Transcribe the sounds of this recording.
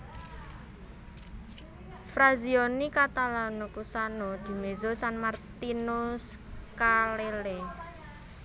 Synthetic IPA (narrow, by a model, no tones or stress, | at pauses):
fɾazionikat̪alanukusanod̪̥i̤mezosanmart̪inuskalele